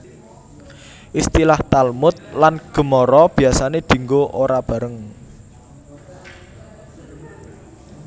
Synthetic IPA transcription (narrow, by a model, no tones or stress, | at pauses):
ʔist̪ilaht̪almʊt̪̚lanɡ̥ə̤mɔɾɔb̥i̤asaned̪̥i̤ŋɡoʔoɾab̥ä̤ɾəŋ